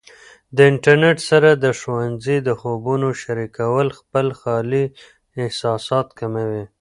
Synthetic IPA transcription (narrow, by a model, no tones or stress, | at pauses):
d̪əɪɳʈaɾneʈsaɾad̪əʃwanzid̪əxobunoʃaɾikawəlxpəlxɑli | ɪhsɑsɑt̪kamawi